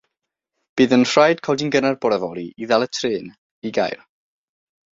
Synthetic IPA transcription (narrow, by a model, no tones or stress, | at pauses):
b̥ɨːðənr̥rajd̥kʰɔlˠdinɡənarbɔɾɛvɔɾiʔiðalˠətʰrɨːn | iɡa̰jr